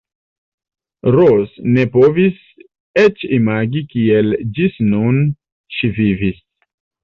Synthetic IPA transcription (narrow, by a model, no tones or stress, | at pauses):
ɾosne̞po̞vis | et͡ʃimaɡikield͡ʒisnun | ʃivivis